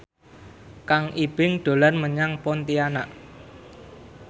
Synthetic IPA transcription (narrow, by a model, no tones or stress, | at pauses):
kaŋʔib̥ɪŋɖ̪̥o̤lɔrməɲaŋpɔnt̪ianaʔ